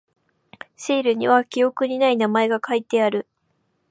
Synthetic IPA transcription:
ɕiːɾɯ̟ɲ̟iβakʲio̞kɯ̟ɲ̟inainamae̞ɡakait̪e̞aɾɯ̟

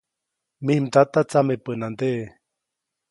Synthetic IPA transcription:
mihmt̪at̪at͡samepənand̪eʔ

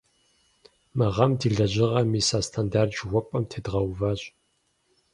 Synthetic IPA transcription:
mɨʁɐmdɨɮɐʑɪʁɐmiːsaːstʰandaːrd͡ʒwʷɔpʼɐmtʰeːdʁɐwvaːɕʼ

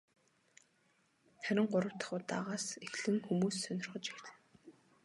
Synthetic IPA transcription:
χæɾʲɪ̆ŋɢʊɾə̆w̥t̪ə̥̆χʊ̆ːt̪a̰ʁaːsexɮɘ̆ŋxumuːsːœnʲɪ̆rχə̆t͡ɕixt̪ɘ̆n

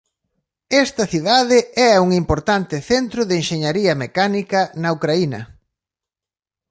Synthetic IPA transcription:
ɛst̪ɐθiðaðɪɛuŋimpoɾt̪ant̪ɪθent̪ɾʊðeenʃeɲaɾiɐmekanikɐnɐukɾainɐ̰

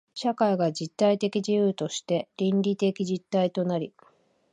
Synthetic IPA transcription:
ɕakaiɡad͡ʑit̪ːait̪e̞kʲid͡ʑijɯːt̪o̞ɕi̥t̪e̞ɾʲĩnɾʲit̪e̞kʲid͡ʑit̪ːait̪o̞naɾʲi

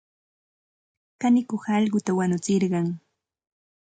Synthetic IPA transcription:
kanɪkoχɑʎɢʊt̪awanʊt͡sɪɾɢɑŋ

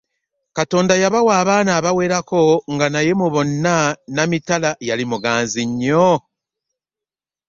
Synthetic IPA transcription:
kato̞ːndajaβawaːβaːnaːβawe̞ːɾako̞ŋɡanaje̞muβo̞nːanamitalajalimuɡaːnziɲːo

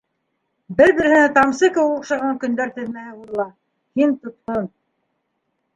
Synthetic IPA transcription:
bɘɾbɘ̆ɾhɘ̆næt̪ɑmsɤkɘwŏqʃɑʁɑŋkɵ̆nd̪æɾt̪ɘ̆ðmæɘbulˠɤlˠɑ | hint̪ŏt̪̚qon

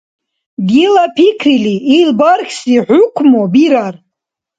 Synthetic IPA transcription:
ɡilapʰikʰriliilbarχʲsiħʷʊkʷʰmobiɾar

